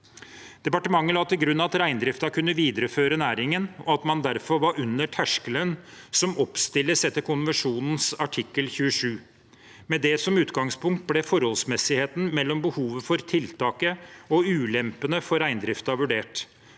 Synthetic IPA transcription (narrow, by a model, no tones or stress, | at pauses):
d̪̥ɛpɑʈəmɑŋːəlɑːt̪ːəɡɾʉnːɑɑt̪ɾæɪnd̪ɾɪft̪ɑkʰʉnːəʋiːd̪əɾəføːɾənæːɾɪŋənɔɑt̪mɑnd̪æɾfɔɾʋɑɾʉnːəʈʰæʂkələn | sɔmɔpst̪ɪlːəsɛt̪ːəkʰʊnʋəʂuːnn̩sɑʈʰɪkːəlçʉːəʂʉː | mɛd̪ɛsɔmʉːt̪ɡɑŋspʊŋkt̪̚blɛfɔɾhɔlsmɛsɪheːt̪n̩mɛlːɔmbəhuːʋəfɔɾt̪ʰɪlt̪ʰɑːkəɔʉːlɛmpənəfɔɾæɪnd̪ɾɪft̪ɑʋʉɖeːʈ